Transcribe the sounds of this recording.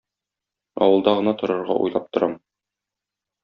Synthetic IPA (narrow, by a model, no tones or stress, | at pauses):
ɒ̰wɤ̆lˠd̪ɑʁɤ̆nɑt̪ŏɾɤ̆ɾʁɑ̰ʔṵjlˠɑp̚t̪ŏɾɑm